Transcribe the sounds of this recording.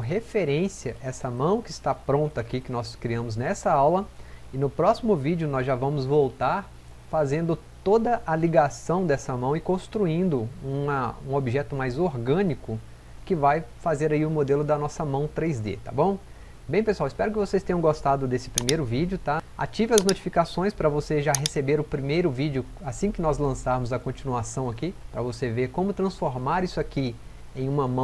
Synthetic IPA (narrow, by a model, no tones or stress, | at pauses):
ɦefeɾẽsiɐʔɛsɐmɐ̃w̃kɪːst̪apɾõnt̪ɐakikɪnɔskɾiɐ̃mʊznɛsɐawlɐɪnʊpɾɔsimʊvid͡ʒʊnɔzʒavɐ̃mʊzvowt̪aɾ | fazẽnd̪ʊ | t̪od̪ɐʔaliɡasɐ̃w̃d̪ɛsɐmɐ̃w̃ɪkõst̪ɾuĩnd̪ʊũɐũobiʒɛt̪ʊmajzoɾɡɐ̃nikʊ | kɪvajfazeɾaiʊmod̪elʊd̪ɐnɔsɐmɐ̃w̃t̪ɾejzd̪ḛt̪a̰bõw̃ | bẽj̃pesuawɪspɛɾʊkɪvosejst̪ẽɲ̃ɐ̃ɡost̪ad̪ʊd̪esɪ̥pɾimejɾʊvid͡ʒʊt̪aa̰t͡ʃivɐɐznot͡ʃi̥fikasõj̃spɾɐvoseʒaɦesebeɾʊpɾimejɾʊvid͡ʒʊ | asĩkɪnɔzlɐ̃saɾmʊzɐkõt͡ʃinuasɐ̃w̃ɐkipɾɐvoseveɾkõmʊt̪ɾɐ̃sfoɾmaɾisʊaki | ẽj̃ũmɐmɐ̃